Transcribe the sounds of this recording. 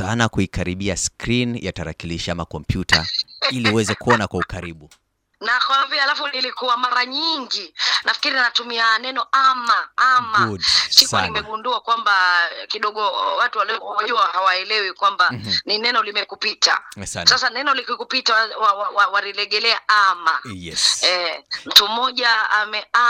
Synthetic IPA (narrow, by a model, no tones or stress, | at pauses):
anakuikaɾiɓiaskɾinjataɾa̰kiliʃamakɔmpjuta̰iliuwɛzɛkuɔnakwaukaɾiɓu | nakwavialafunilikuwamaɾaɲiŋɡinafi̥kiɾinatumianɛnɔʔamaamasikanimɛɡunduakwambakiɗɔɠɔwatuwaliɔwaʄuahawaɛlɛwikwambaninɛnɔlimɛkupita̰sasanɛnɔlikukupitawawawawalilɛɠɛlɛaʔamajɛɛm̩tum̩mɔʄaamɛʔa